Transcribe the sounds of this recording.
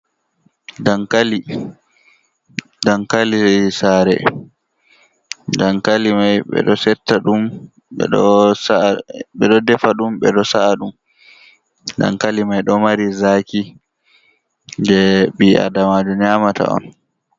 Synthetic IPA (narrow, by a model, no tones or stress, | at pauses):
dankali | dankalisɛsaːɾɛ̰ | daŋkalimajɓɛ̰ɗɔsɛtːaɗum | ɓɛ̰ɗɔsaɓɛɗɔdɛfaɗumɓɛɗɔsaaɗum | da̰ŋkalimajɗɔmaɾizaːki | dɛɓiʔa̰damaːd͡ʒɔɲamata̰ɔ̰n